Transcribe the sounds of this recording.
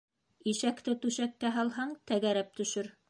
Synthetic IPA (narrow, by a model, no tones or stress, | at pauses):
iʃækt̪ɘt̪ʉʃækːæɦɑlˠɦɑɴt̪æɡæɾæp̚t̪ɵ̆ʃɵɾ